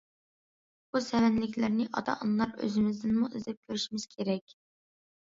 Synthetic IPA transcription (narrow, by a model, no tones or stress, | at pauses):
b̥usɛvɛnlɪkʲlɪɾnɪʔɑt̪ʰɑ̰ʔɑnlˠɑɾø̰zɪmɪzd̪ɪnmuʔizɪp̚kʲʰøɾyʃimɪz̥kʲʰeɾɛkʲ